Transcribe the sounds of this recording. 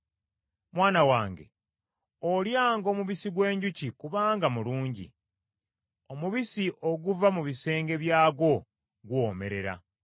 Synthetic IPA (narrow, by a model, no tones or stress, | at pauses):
mwaːnawaːŋɡe̞̰ | oljaːŋɡo̞ːmuβisiɡwe̞ːɲɟucikuβaːŋɡamuluːɲɟḭ | o̞muβisiʔoɡuvamuβise̞ːŋɡe̞βjaːɡwo̞ | ɡwo̞ːme̞ɾe̞ɾa̰